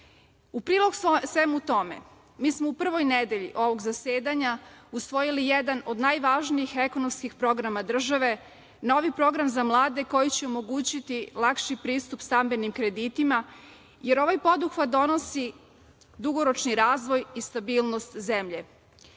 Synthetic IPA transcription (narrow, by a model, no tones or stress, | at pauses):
upɾiːlˠo̞ɡsʋemut̪o̞mḛ | miːsmoupr̩ʋo̞jned̪eʎḭʔo̞ʋo̞ɡzaseːd̪aɲausʋo̞jilijed̪ano̞d̪najʋaʒniixe̞konomskixpɾo̞ɡɾamad̪r̩ʒaʋe̞ | no̞ʋipɾo̞ɡɾamzamlˠaːd̪e̞ko̞jit͡ɕeomo̞ɡuːt͡ɕit̪ilˠakʃipɾiːst̪upst̪ambe̞nimkɾe̞d̪it̪ima | je̞ɾo̞ʋajpo̞d̪uxʋad̪d̪o̞no̞si | d̪uɡo̞ɾo̞t͡ʃniɾaːzʋo̞jist̪abiːlˠnost̪zemʎe